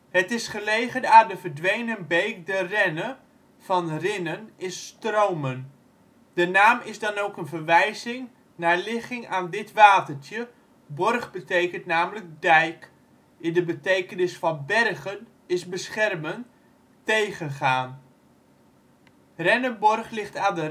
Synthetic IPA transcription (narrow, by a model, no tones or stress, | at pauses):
ɦətɪsχəlejχənaːdəvərdʋejnənbejk̚dərɛnə | v̥ɑnrɪnənɪsstrowmən | d̥ənaːmɪzdɑnowkənvəɹʋɛjzɪŋ | naːɹlɪχɪŋaːndɪtʋaːtəɹtjə | bɔrχbətejkəntnaːmələk̚dɛjk | ɪndəbətejkənɪsfɑnbɛrχən | ɪzbəsχɛrmən | tejχənχaːn | rɛnəbɔrχlɪχtaːndə